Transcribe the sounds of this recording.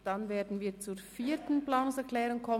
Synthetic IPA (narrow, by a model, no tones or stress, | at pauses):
d̥ɑnveːɐdn̩viːt͡suːfiːtn̩plaːnʊsɛklɛːʁʊŋkʰɔ